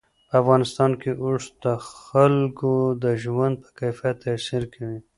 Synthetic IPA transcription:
pəafɣɑnɪst̪ɑnkeʔʊɽd̪əxalkod̪əʒwand̪̚pə̥kajfijat̪ːasiɾkʰawi

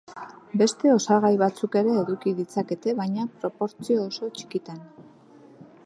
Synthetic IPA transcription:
be̞st̪e̞o̞saɣ̞ajβat͡suke̞ɾe̞ːðukiðit͡sake̞t̪e̞βajɲapɾo̞po̞ɾt͡sio̞ːso̞t͡ʃi̥kit̪an

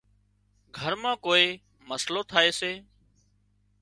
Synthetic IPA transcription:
ɡʱəɾmãːkoːeː | məsloːt̪ʰaːeːseː

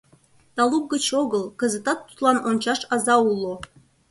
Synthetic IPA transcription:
t̪ɑluk̚ɡət͡ɕoɣəlˠkə̆zə̆t̪ɑt̪ːu̥t̪lˠɑnonʲt͡ɕɑʃɑzɑulˠːo

